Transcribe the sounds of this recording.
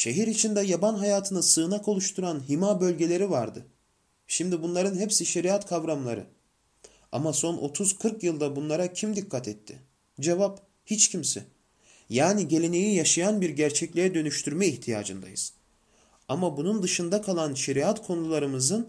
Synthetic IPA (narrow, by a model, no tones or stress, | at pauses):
ʃe̞ɦiɾit͡ʃʰind̪ɛjabanɦajaːt̪ʰɯnɯsɯːnako̞lˠuʃt̪ʰuɾanɦimaːbø̞lʲɟe̞lʲe̞ɾivaɾd̪ɯ̰ | ʃimd̪ibunlˠaɾɯnɦepsiʃe̞ɾiat̪kʰavɾamlˠa̰ɾɯ̰ | a̰maso̞nʔo̞̰t̪ʰuz̥kʰɯɾkjɯlˠd̪abunlˠaɾacʰimd̪ikʰːat̪ʰɛt̪ʰːɪ̰ | d͡ʒevap | hit͡ʃcʰimsɛ̰ | jaːniɟe̞lʲe̞ne̞jijaʃajanbiɾɟæɾt͡ʃʰɛclʲijɛd̪ø̞nyʃt̪ʰyɾmɛiçt̪ʰija̰ːd͡ʒɯ̰nd̪a̰jɯz̥ | amabunund̪ɯʃɯnd̪akʰalˠanʃe̞ɾiat̪kʰo̞nulˠaɾɯmɯzɯn